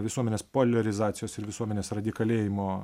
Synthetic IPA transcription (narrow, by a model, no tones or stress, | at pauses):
ʋʲɪsuɔmʲɛnʲeːspoːlʲɛɾʲɪzɑːt̪sʲɪjoːsɪɾʋʲɪsuɔmʲɛnʲeːsɾɐd̪ʲɪkɐlʲeːjɪmoː